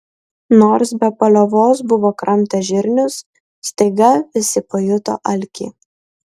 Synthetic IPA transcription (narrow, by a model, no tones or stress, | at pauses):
noːɾsbʲɛpɐlʲoʋoːs̬bʊʋoːkɾɐmʲt̪ʲɐʒʲɪɾʲnʲʊsː | t̪ɐɪɡɐʋʲɪsʲɪpoːjʊt̪o̰ːʔɐlʲkʲḭː